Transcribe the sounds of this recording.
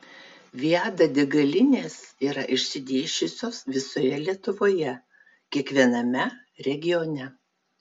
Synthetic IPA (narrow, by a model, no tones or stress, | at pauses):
ʋʲiæːd̪ɐd̪ʲɪɡɐlʲɪnʲeːsiːɾɐʔɪʃʲsʲɪd̪ʲeːʃʲʊsʲoːsʋʲɪsoːjɛlʲiɛt̪ʊʋoːjɛ | kʲiɛkʋʲiɛnɐmʲɛ | ɾʲɛɡʲɪjɔnʲɛ